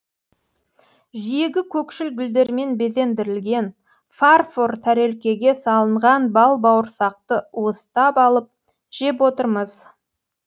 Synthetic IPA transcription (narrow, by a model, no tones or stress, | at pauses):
ʒije̞ɡʲɪkʲʰɵkʃɪlɡʲʏld̪e̞ɾme̞nbe̞ze̞nd̪ɪɾɪlɡʲe̞n | farfort̪ʰæɾe̞lkʲe̞ɡʲe̞sɑlˠəɴʁɑnbɑlˠbɑwəɾsɑqt̪əwost̪ɑpɑlˠəp̚ | ʒ̥e̞p̬wot̪əɾməz̥